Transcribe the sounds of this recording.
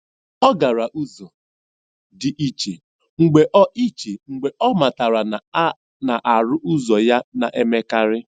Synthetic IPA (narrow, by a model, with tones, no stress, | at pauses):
ɔ˦ɡa˨ɾa˨ʔu˦zɔ˨ | dɪ˨ʔi˦t͡ʃe˨ | ŋ͡m̩˨ɡ͡be˨ʔɔ˦ʔi˦t͡ʃe˨ŋ͡m̩˨ɡ͡be˨ʔɔ˦ma˨ta˨ɾa˨n˨˦ | na˨ʔa˨ɾʊ˦ʔʊ˦zɔ˨ja˦na̰˨ʔe˦me˦ka˦ɾɪ˦